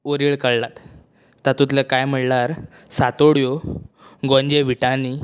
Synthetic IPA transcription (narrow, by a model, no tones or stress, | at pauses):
oɾiːɭkəɭlat̪ː | at̪ut̪lakajm̤əɽlaɾ | sat̪oɽjo | ɡɔ̃ɲd͡ʑeʋiʈani